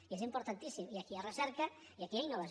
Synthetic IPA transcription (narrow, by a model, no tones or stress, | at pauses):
iesimpoɾt̪ant̪isimiakiarəsɛɾka | iakiajnolaz